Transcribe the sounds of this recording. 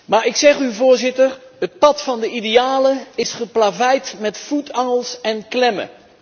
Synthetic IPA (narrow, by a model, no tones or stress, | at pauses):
maːɹɪksɛχyvʊːɹzɪtəɹɦət̚pɑtfɑndəʔidejaːləɪsχəplavɛjtmɛtfutʰɑŋəlˠsɛnklɛmə̰